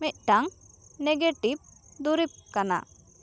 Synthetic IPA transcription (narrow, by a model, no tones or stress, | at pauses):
mic̪̚ˀʈaŋ | neɡeʈib̚d̪uɾip̚kana̰